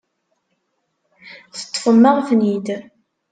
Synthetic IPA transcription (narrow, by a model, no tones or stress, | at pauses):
θə̥t̪ˤːfəmːəʁfnid̪